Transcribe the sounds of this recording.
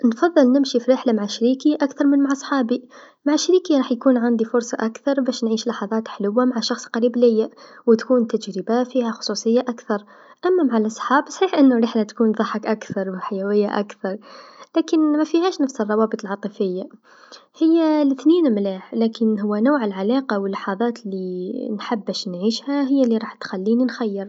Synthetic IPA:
nfɑðˤːɨlnɪmʃifiɾɪħlamaʕaʃɾiːkiʔakθɑɾˤmɪnmaʕɑsˤħɑːbi | maʕaʃːɾiːkiɾˤɑːħjkuːnʕand̪ifʊɾsˤɑʔakθɑɾˤbæːʃnʕiːʃlɑħɑðˤɑːt̪ħlʊwːamaʕaʃɑxsˤqɑɾiːblɪjːawt̪kuːnt̪ad͡ʒɾɪbafiːhaxʊ̥sˤuːsˤɨjːaʔakθɑɾˤ | ʔæmːamaʕalʔɑsˤħɑːbsˤħiːħʔɪnːʊɾˤɪħnat̪kuːnðˤɑħɑkʔakθɑɾˤwħajawɪjːa̰ʔa̰kθɑɾˤlæːkɪnmæfihæːʃnafsərˤːɑwɑːbət̪ˤəlʕɑt̪ˤɨfɪjːa | hɪjːalɪθniːnmlaːħlæːkɪnɦʊwːanuːʕəlʕalɑːqɑwəlːɑħɑðˤɑːt̪linħabːæʃnʕiːʃhaɦɪjːalːiɾˤɑːħt̪xalːiːninxajːɪɾˤ

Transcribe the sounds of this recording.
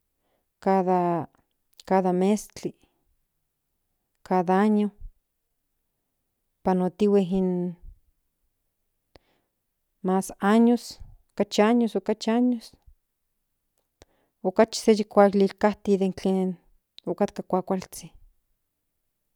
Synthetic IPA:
kaða | kaðamest͡ɬi | kaðaaɲo | panot̪iweɦin | masaɲosokat͡ʃiaɲosokat͡ʃiaɲos | okat͡ʃi̥sejikʷaklilkaht̪iðent͡ɬeːn | okat̪kakʷakʷalt͡si

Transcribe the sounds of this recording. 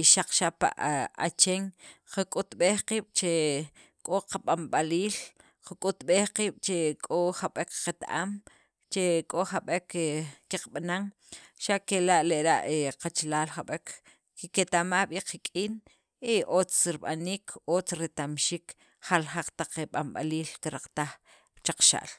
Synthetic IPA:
iʃaq͡χʃapa̰ʔat͡ʃeŋqakʼut̪ɓeːχqiːɓ̥t͡ʃe | kʼoqaɓamɓaliːl | qakʼut̪ɓeːχqiːɓ̥t͡ʃekʼoχaɓekqat̪ʔa̰m | t͡ʃekʼoχaɓekkiqɓanaŋ | ʃaʔkelaʔleʔɾaʔeqat͡ʃlaːlχaɓek | ket̪amaːɓiqakʼiːn | iʔoːt͡sɾiɓaniːkʰoːt͡sɾet̪amʃiːk | χalχaq͡χt̪aq͡χeɓamɓa̰liːlkiɾaq͡χt̪aχ | t͡ʃaq͡χʃa̰ʔl

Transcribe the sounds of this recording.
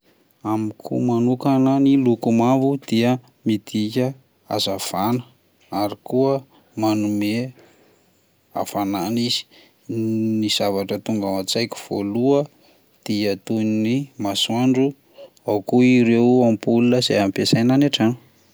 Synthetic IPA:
amikʰṵmanukanənilukumavud̪̥iə | mid̪ikʲə | a̰zav̥anə̥ | aɾikuə | manume | a̰v̥ananiz̥i̥ | niz̥avaʈ͡ʂət̪uŋɡawat͡sajku̥v̥o̰luə | d̪̥iət̪unnimasuaɳɖ͡ʐu | awkuiɾewampulunəz̥eampesajnanaʈ͡ʂan̥

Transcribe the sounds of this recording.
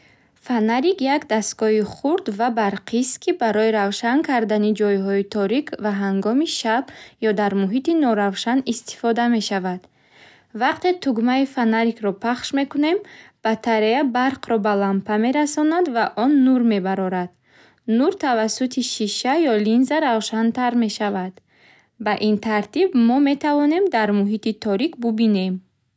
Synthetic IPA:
fanaɾikjakd̪ast̪ɡɔɦiχuɾd̪vabaɾqʰist̪kʰibaɾɔiɾavʃankʰaɾd̪anid͡ʒɔjɦɔit̪ʰɔɾikʰvaɦaŋɡɔmiʃabjɔd̪aɾmuɦit̪inɔɾavʃanist̪i̥fɔd̪ame̞ʃavad̪̥ | vaqt̪ʰe̞t̪ʰuɡmaifanaɾikɾɔpʰaχʃme̞kune̞mb̥at̪ʰaɾeabaɾqʰɾɔbalampʰame̞ɾasɔnad̪vaʔɔnːuɾme̞baɾɔɾad̪̥ | nuɾt̪ʰavasut̪ʰiʃiʃajɔlinzaɾavʃant̪ʰaɾme̞ʃavad̪̥ | baʔint̪ʰaɾt̪ibmɔme̞t̪ʰavɔne̞md̪aɾmuɦit̪it̪ʰɔɾikbubine̞m

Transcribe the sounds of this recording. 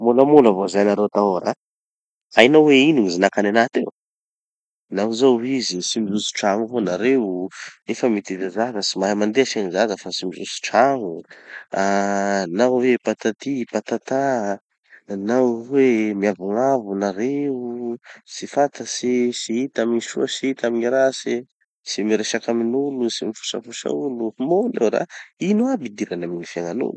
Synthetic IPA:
muləmulavozajnaɾet̪aoɾa | ajnaweinuŋizinakananat̪ew | nauzawizisimizusi̥ʈ͡ʂaŋuvonaɾeunefəmit̪id̪azazəsimaɦamand̪easanizazəfasimizusi̥ʈ͡ʂaŋuanawepat̪at̪ipat̪at̪a | nawemiavuŋavunaɾeusifat̪əsisiit̪amiɲisuəsiit̪amiɲiɾasi | simiɾeʃakaminulusimifu̥sa̰fusa̰ulumonlḛwɾa̰inuabid̪iɾanaminifjaŋanṵlu̥

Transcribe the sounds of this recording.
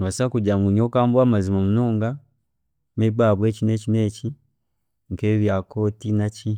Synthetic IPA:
βasakuɟamuɲokaːmbwamazimamunoːŋɡa | mebaβweːt͡ʃinet͡ʃinet͡ʃi | ŋkeːβjakotinat͡ʃi

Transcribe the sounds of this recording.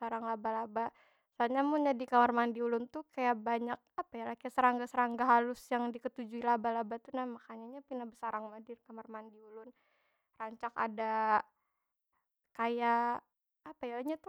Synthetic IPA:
saɾaŋlabalaba | salɲamunɲadikamarmandiulʊnt̪ukajaʔbaɲak̚apajalahkajasəɾaŋɡasəɾaŋɡaɦalʊsjaŋdikət̪ud͡ʒuilabalabat̪unamakaɲaɲapinabəsaɾaŋmadɪrkamarmandiulʊn | raɲt͡ʃaka̰da | kajaː | pajalaɲat̪u

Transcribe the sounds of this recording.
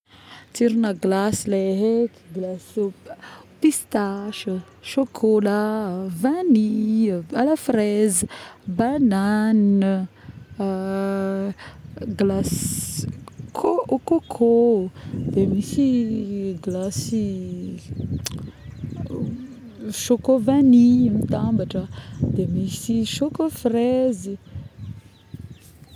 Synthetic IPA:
t̪iɾinəɡlasileɦekɡlasopist̪aʃə | ʃokʰolavanialafɾezbanan | ɡlas | kʰokokʰo | d̪emisi | ɡlasi | ʃokovanimit̪ambaʈ͡ʂəd̪emisiʃokofrezi

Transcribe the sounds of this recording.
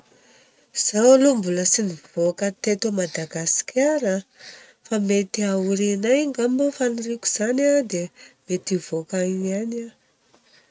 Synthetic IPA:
z̥awlumbuləsiniv̥okət̪et̪omad̪aɡasi̥kʲʰaɾə | famet̪iauɾinajŋɡambofaniriku̥z̥anad̪emet̪ivokaiana

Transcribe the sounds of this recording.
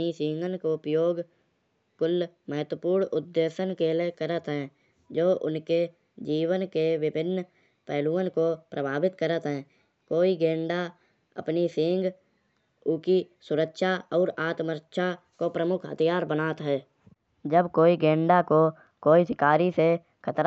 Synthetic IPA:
isɪ̃ŋɡənkopɾəjoːɡ | kʊlː | məɦət̪wəpuːɾɳʊd̪ːeːsənkelekəɾət̪ɦɛ̃ː | d͡ʒoːʔʊ̰nke | d͡ʒiːwənkeʋɪbʱɪnː | pɛːluːənkopɾəbʱaːbɪt̪kəɾət̪ɦɛ̃ː | koːiɡẽːɳɖa | ə̰pnisɪ̃ŋɡ | ʊkisʊɾəkʃaɔːɾaːt̪məɾʃʰa | kopɾəmʊkʰɦə̰t̪ʰijaːɾbənaːt̪ɦɛː | d͡ʒəbkoːiɡẽːɳɖako | koːisɪkaːɾise | kʰət̪ɾ

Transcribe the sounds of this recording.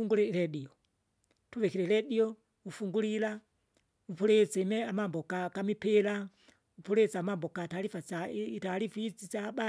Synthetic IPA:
uŋɡulɛlɛɗiɔ | tʰuʋɛkiɾɛlɛɗiɔ | ufuŋɡulila | upʰulɛt͡sɛmɛamambɔkakamipʰɛla | upʰuɾɛt͡saːmambɔkatalifaataɾifit͡sit͡saɓa

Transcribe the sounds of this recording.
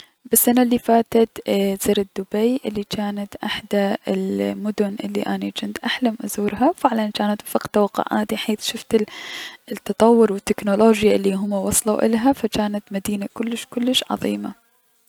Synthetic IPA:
basːʔanaʔlːifaːt̪at̪z̥ɪːɾɪd̪ːʊbajʔɪlːit͡ʃaːnat̪ʔaħd̪aɪlmʊd̪ʊnʔɪ̰lːiʔanit͡ʃɪnd̪ʔaħlamʔʊzuːɾɦawfɪʕlant͡ʃaːnat̪ʔfaqt̪awaqːa̰ʕʔa̰ːd̪iħeːθʃʊft̪ɪ | t̪ːɑt̪ˤɑwːʊɾwɪt̪ːɪknoloːd͡ʒjaʔɪlːiɦʊmːawɑsˤlawʔɪ̰lɦafat͡ʃaːnat̪mad̪iːnakʊlːɪʃkʊlːɪʃʕɑ̰ðˤḭːma̰

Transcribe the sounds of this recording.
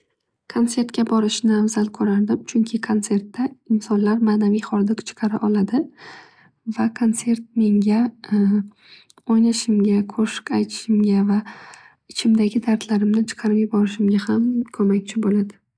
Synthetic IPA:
kʰont̪se̞ɾt̪̚kʲabɒɾɪʃnɪavzalkʰɵɾaɾd̪ɪmt͡ʃʰʊŋkʲʰɪkʰonse̞ɾt̪ːaɪnsɒnlaɾmaːnavijχɒɾd̪ɪkt͡ʃʰɨ̥qʰɑɾa̰ʔɒlad̪ɪ | vakʰont̪se̞ɾt̪̚me̞ŋɡʲa | ɒjnaʃɪmɡʲakʰoʃɪ̥kʲajt̪ʰɪ̥ʃɪmɡʲava | ɪt͡ʃʰɪmd̪aɡʲɪd̪aɾt̪ʰlaɾɪmnɪt͡ʃʰɨ̥qʰɑɾɪpjɪbɒɾɪʃɪmɡʲahamkʰɵmakʲt͡ʃʰɪbolad̪ɪ

